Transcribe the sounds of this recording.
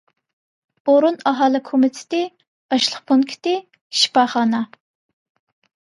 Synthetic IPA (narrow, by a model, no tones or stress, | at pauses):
oɾunɑɦɑːlˠɪkʰomɪt̪ʰɪ̥t̪ɪ̥ | ɑʃlˠəχpʰoŋkʲʰi̥t̪ɪ | ʃi̥pɑχɑːnɑ